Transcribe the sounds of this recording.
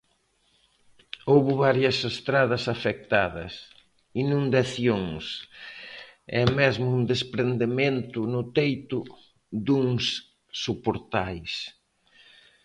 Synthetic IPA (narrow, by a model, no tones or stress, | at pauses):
owβʊβaɾjɐsest̪ɾaðɐsafek̚t̪aðɐ̰s | inũnd̪ɐθjoŋs | ɛmɛzmʊund̪espɾend̪emẽnt̪ʊnʊt̪ejt̪ʊ | d̪uŋs | sopoɾt̪ajs